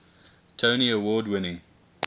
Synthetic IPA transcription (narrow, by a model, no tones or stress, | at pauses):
tʰoʊniəwɔːdwɪ̃nɪ̃ŋ